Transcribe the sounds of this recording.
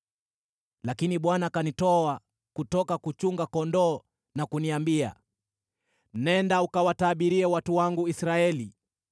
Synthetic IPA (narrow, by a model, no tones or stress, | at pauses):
lakiniɓwanakanitɔa | kutɔkakut͡ʃuŋɡakɔndɔː | nakuniambia̰ | nɛndaukawataɓiɾiɛwatuwaŋɡuisɾaɛli